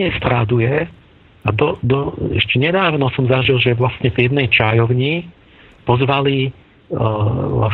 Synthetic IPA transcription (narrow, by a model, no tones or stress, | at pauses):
ɛst̪ɾad̪ujɛ | ad̪ɔd̪ɔɛ̰ʃcɛɲɛd̪aːʋnɔsɔmzaʒilˠʒɛʋlast̪ɲɛvjɛd̪nɛjt͡ʃajɔʊɲi | pɔzʋali | la̰